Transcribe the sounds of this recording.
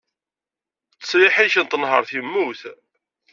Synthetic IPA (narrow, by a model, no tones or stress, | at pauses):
t͡sːə̥sɾɪħiʃənt̪ənɦə̰ɾˤθimːuθ